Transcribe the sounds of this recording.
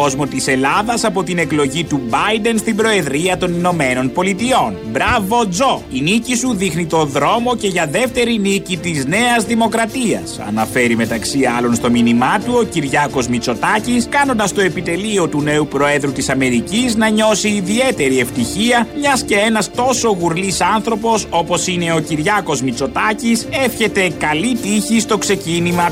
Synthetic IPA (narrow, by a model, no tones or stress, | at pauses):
o̞zmo̞t̪ise̞lɐðɐsɐpo̞t̪ine̞klo̞ʝit̪ubɐjd̪e̞nst̪ibɾo̞e̞ðɾiɐt̪o̞nino̞me̞no̞npo̞lit̪io̞nbɾɐvo̞d͡zo̞inicisuðixnit̪o̞ðɾo̞moce̞ʝɐðe̞ft̪e̞ɾinicit̪izne̞ɐzðimo̞kɾɐt̪iɐsɐ̰nɐfe̞ɾime̞t̪ɐksiɐlo̞nst̪o̞minimɐt̪uo̞ciɾʝɐko̞zmit͡so̞t̪ɐciskɐno̞nd̪ɐst̪o̞e̞pit̪e̞lio̞t̪une̞upɾo̞e̞ðɾut̪isɐme̞ɾiciznɐɲo̞siːðie̞t̪e̞ɾie̞ft̪içiɐmɲɐsce̞e̞nɐst̪o̞so̞ɣuɾlisɐnθɾo̞po̞so̞po̞sine̞o̞ciɾʝɐko̞zmit͡so̞t̪ɐcise̞fçe̞t̪e̞kɐlit̪içist̪o̞kse̞cinimɐ